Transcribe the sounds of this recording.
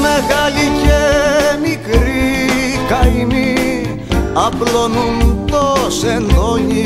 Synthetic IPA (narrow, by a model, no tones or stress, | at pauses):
meɣɐlicemikɾi | kɐini | ɐplonunt̪osenloʝi